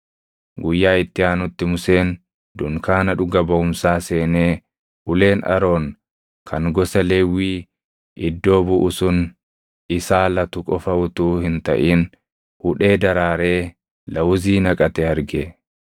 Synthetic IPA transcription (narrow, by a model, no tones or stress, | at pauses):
ɡʊjːaːɪt̪ːɪaːnʊt̪ːɪmʊse̞ːn | d̪ʊŋkaːnɐᶑʊɡɐbɐʊmsaːse̞ːneː | ʔʊle̞ːnɐ̰ɾo̞ːŋ | kʰɐŋɡɔsɐleːwːiː | ʔɪd̪ːo̞ːbʊʔʊsʊn | ɪsaːlɐt̪ʊkʼɔfɐʊt̪uːhɪnt̪ɐ̰ʔiːn | hʊᶑe̞ːd̪ɐɾaːɾe̞ː | lɐwʊziːnɐkʼɐt̪ɛhɐɾɡe